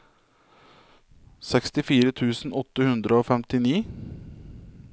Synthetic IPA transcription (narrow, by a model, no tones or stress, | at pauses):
sɛkst̪ɪfiːɾət̪ʰʉːsn̩ɔt̪ːəhʉnd̪ɾəoːfɛmt̪ɪniː